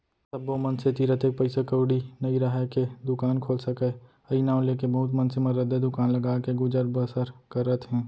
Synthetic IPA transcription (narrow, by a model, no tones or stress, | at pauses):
sɐbːomɐnset̪iːɾət̪eːk̚pɐɪsekəʊɽinɐiɾɐɦɛked̪ʊkaːnkʰoːlsɐke | ɐinaːõleːkebɐɦʊt̪̬mɐnseməɾəd̪ed̪ʊkaːnlɐɡaːkeɡʊd͡ʒəɾbəsəɾkɐɾət̪ɦɛ̃ː